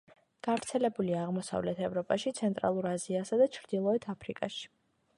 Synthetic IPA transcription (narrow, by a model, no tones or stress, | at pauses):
ɡ̥avɾt̪sʰɛlɛbuliaːʁmɔsa̰vlɛt̪ʰɛvɾɔpʼaʃit̪sʰɛnt̪ʼɾa̰lˠuɾaziasad̪at͡ʃʰɾd̪ilˠɔɛt̪ʰapʰɾikʼaʃi̥